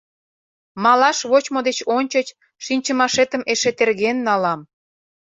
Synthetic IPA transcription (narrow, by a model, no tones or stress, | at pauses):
mɑlɑʃβot͡ɕmod̪et͡ɕonʲt͡ɕət͡ɕ | ʃinʲt͡ɕəmɑʃet̪əmeʃet̪erɣenːɑlɑm